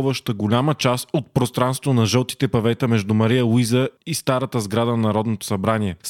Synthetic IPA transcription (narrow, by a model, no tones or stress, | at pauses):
vəʃt̪əɡolʲamət͡ʃasot̪̚pɾost̪ɾanst̪vonɐʒəlˠt̪i̥t̪ɛpɐvɛt̪əmɛʒd̪umɐɾijəlˠuizəist̪aɾət̪əzɡɾad̪ənɐnɐɾɔd̪not̪o̥sɐbɾaniɛs